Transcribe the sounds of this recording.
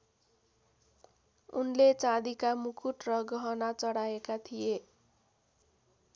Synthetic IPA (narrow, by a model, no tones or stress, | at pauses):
unlet͡sad̪ikamukʰuʈrʌɡʌɦʌnat͡sʌɽajekat̪ʰije